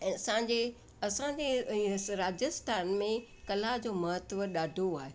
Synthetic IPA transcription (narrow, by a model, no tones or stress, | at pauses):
ɛ̃ːsãːɲd͡ʑe | ɐsãd͡ʑeɾaːd͡ʑəst̪ʰaːnmẽ | kɐlad͡ʑoːmɐɦət̪ʋəɗaːɖʱoaːɦe